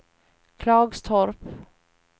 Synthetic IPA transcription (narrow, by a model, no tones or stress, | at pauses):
kʰlɑːɡst̪ʰɔɾp